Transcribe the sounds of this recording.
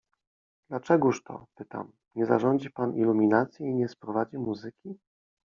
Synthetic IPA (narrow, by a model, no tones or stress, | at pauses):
d̪̥lat͡ʂɛɡuʂt̪ɔ̰pɘt̪a̰m | ɲɛza̰ʐɔɲd͡ʑipanilumʲinat̪sʲjɛiɲɛspɾɔvad͡ʑimuzɘkʲi